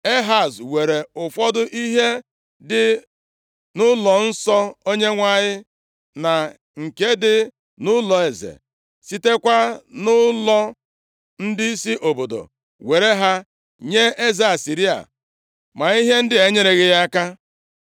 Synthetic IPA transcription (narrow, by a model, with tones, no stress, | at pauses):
e˦ɦa˨zwe˨ɾe˨ʊ˨fɔ˦dʊ˦ʔi˦ɦe˦ | dɪ˨ | nʊ˦lɔ˨n̩˦sɔ˦o˦ɲe˦ŋʷa˦ɲɪ˦ | na˨ | ŋ̩˨ke˦dɪ˦ | nʊ˦lɔ˨e˨zḛ˨ | si˦te˦kʷa˦nʊ˦lɔ˦ | n̩˦dɪ˦i˦si˦ʔo˨bo˨do̰˨ | we˨ɾe˦ɦa˦ | ɲe˦e˦ze˨˦a˨si˨ɾi˦a̰˨ | ma˨i˦ɦe˦n̩˦dɪ˦e˨ɲe˦ɾe˨ɣɪ˦ja˦ka˦